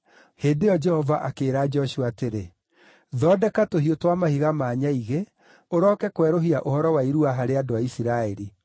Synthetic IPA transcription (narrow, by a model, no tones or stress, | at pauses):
heːndejɔd͡ʒɛhɔvaʔakeːɾaːd͡ʒɔɕuateɾe | ðɔːdɛkatohiotwamahiɣamaːɲaiɣe | oɾɔːkɛkwɛɾoɦiaʔohɔɾɔwaiɾuaɦaɾeadoaisiɾaeɾi